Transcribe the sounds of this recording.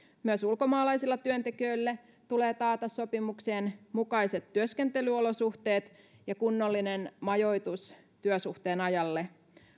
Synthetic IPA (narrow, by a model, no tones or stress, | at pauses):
myøsulko̞mɑːlɑjsilːɑt̪yønt̪ekiøilːæ | t̪ule̞ːt̪ɑːt̪ɑsːo̞pimukseːnmukɑiset̪ːyøskent̪e̞lyolo̞suht̪e̞ːt̪ | jɑkunːolːinenmɑjo̞jt̪us | t̪yøsuht̪eːnɑjɑlːe